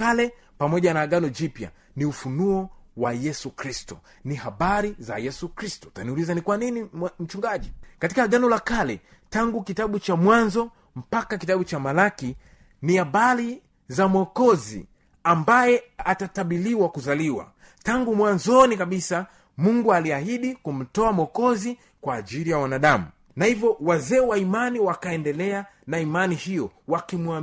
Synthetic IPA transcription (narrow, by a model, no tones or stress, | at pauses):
alɛ | pamɔʄanaːɠanɔd͡ʒipja̰ | niufunuɔwajɛsukɾistu̥ | nihaɓaɾiza̰jɛsukɾistu̥taniulizanikwaninim̩t͡ʃuŋɡaʄikati̥kaɡanɔlakalɛ | taŋɡukitaɓut͡ʃamwanzɔ | m̩pakakitaɓut͡ʃamalaki | niabali | zamɔkɔzḭ | ambajɛatataɓiliwakuzaliwa̰ | taŋɡumwanzɔnikaɓisa | muŋɡualiahiɗikum̩tɔamɔkɔzi | kwaːʄilijawanaɗamu | nahivjɔwazɛːwaimaniwakaɛndɛlɛa | naimanihijɔwakimua